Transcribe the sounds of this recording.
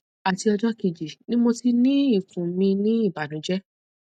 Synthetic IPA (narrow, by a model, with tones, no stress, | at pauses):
a˨ti˧ɔ˧d͡ʒɔ˦ki˧d͡ʒi˨nĩ˦mo˧ti˧nĩ˦i˦˨fũ˨mĩ˧nĩ˦i˦˨ba˨nũ˨˦d͡ʒɛ˦